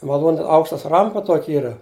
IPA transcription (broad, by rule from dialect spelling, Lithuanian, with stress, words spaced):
mɐˈlˠuːnʲ ˈɐʊkʃtɐs ˈrɐmpɐ ˈtuɔkʲɪ ˈiːrɐ